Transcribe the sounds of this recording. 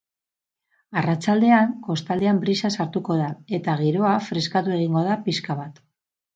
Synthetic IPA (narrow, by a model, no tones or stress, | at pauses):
arat͡ʃald̪e̞aŋko̞st̪ald̪e̞ambɾisasaɾt̪uko̞ðae̞t̪aɣ̞iɾo̞afɾe̞skat̪ue̞ɣ̞iŋɡo̞ð̞apiskaβ̞at̪